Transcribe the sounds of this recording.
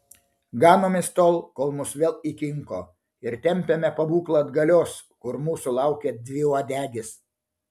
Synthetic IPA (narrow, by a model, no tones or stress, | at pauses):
ɡɑːnoːmʲɪst̪oːlˠkoːlˠmʊsʋʲeːlˠikʲɪŋkoː | ɪɾt̪ʲɛmʲpʲemʲɛpɐbuːklˠɐd̪ɡɐlʲoːs | kʊɾmuːsʊlˠɑˑʊkʲeːd̪ʲʋʲɪoːd̪ʲæːɡʲɪs